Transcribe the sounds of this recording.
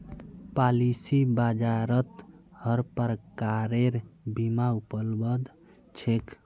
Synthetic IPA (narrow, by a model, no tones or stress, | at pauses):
palisibad͡ʒaɾət̪həɾpəɾəkaɾeɾbimaupəlbəd̪ | t͡ʃʰek